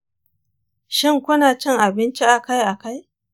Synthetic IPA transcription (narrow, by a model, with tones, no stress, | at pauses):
ʃɪ˦ŋkʷʊ˦naː˨t͡ʃɛ˦ŋʔa˨bɪ˦nt͡ʃi˦ʔa˨ka˦jʔa˨ka˦j